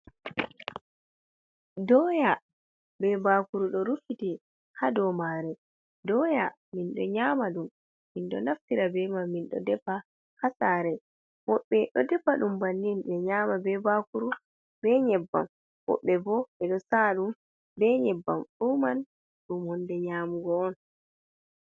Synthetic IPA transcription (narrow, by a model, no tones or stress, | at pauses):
dɔja | bɛbakuɾuɗɔɾufiti | hadɔmaɾɛ | dɔja | minɗɔɲaːmaɗumː | inɗɔ̰naftiɾabɛmamːinɗɔ̰dɛpa | hasaɾɛ | wɔɓːɛɗɔdɛpːaɗumbanːinɓɛɲaːmabɛbakuɾu | bɛɲɛbːa̰m | wɔ̰ɓːɛbɔɛɗɔsaɗum | bɛɲɛbːamɗuman | ɗumhɔndɛɲaːmuɡɔɔn